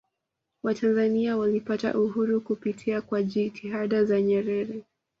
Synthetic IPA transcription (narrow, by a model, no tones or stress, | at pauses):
watʰanzaniawalipata̰ʔuɦuɾukupitʰiakwaʄitʰiɦaɗazaɲɛɾɛɾɛ